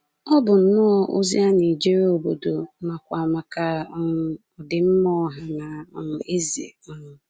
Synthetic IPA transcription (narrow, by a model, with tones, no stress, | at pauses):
ɔ˦bʊ˨n̩˨nʊ˦ɔ˦ʔo̰˦zi˦a˦ni˨d͡ʒi˦ɾe˦o˨bo˨do˨˦ma˨kʷa˨a˨ma˨ka˨˦˨ | ɔ˨dɪ˨m̩˦mɔ˦ɦa˨na˨˦˨e˦zi˨ḛ˨ɔ˦nʊ˨